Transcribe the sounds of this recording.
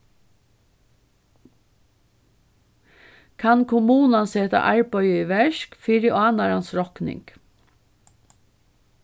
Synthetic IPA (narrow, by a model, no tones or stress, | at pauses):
kʰɑnkʰʊmuːnɑnsɛːt̪ɑ̰ʔæɹpœʏəiːʋɛʃkfiɾɪʔɑːnɑɾɑnsɹɔknɪ̰ŋɡ̥